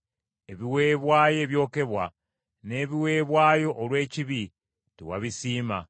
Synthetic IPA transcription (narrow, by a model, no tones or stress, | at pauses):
e̞βiwe̞ːβwaːje̞ːβjo̞ːke̞βwa | ne̞ːβiwe̞ːβwaːjo̞ʔːlwe̞ːciβi | tiwa̰βisiːma